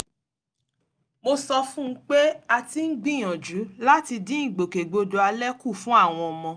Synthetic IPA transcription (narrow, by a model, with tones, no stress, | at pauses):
mo˧sɔ˧fũ˦k͡pe˦a˧ti˧n̩˦ɡ͡bĩ˦˨j̃ɔ̃˨d͡ʒu˨˦la˦ti˧dĩ˦ĩ˦˨ɡ͡bo˨ke˨ɡ͡bo˧do˧a˧lɛ˦ku˦˨fũ˦a˦˨w̃ɔ̃˧ɔ˧mɔ̃˧